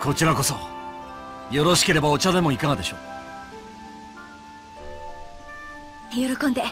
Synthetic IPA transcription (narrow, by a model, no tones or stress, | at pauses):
kʰo̞t͡ɕiɾako̞so̞ | jo̞ɾo̞ɕi̥ke̞ɾe̞bao̞t͡ɕad̪e̞mo̞ikaɡad̪e̞ɕo̞̰ː | joɾokõnd̪e̞